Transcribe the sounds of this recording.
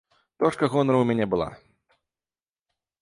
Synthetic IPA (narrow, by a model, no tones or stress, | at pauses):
t̪ɔʂkɐɣɔnɾɐwmʲanʲɛbɨlˠa̰